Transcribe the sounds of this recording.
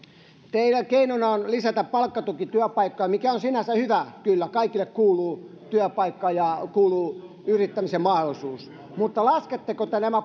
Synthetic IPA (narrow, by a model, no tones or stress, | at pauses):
t̪eilækeinonɑonlisæt̪æppɑlkːɑt̪ukit̪yæpɑikːojɑmikæonsinæsæhyʋækylːækɑikilːekkuːluː | t̪yæpɑikːɑːjɑkuːluː | yrit̪ːæmisemmɑholisuːs | mut̪ːɑlɑsket̪ːekot̪ːænæmæ